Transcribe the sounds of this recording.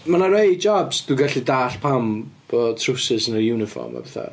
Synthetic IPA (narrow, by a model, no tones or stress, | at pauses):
manaɾejd͡ʒɔbsd̥uɡaɬidaːɬpʰamb̥ɔtʰrʊsɪsənərjuːnɪfɔ̰rma̰bɛθa̰